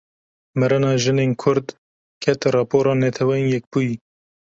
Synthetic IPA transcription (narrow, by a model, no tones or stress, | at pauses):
mɛɾɨnɑːʒɨneːnkʰʊɾd̪ | kʰɛt̪rɑːpʰoːɾɑːnɛt̪ʰɛwɛjɛk̚b̥uji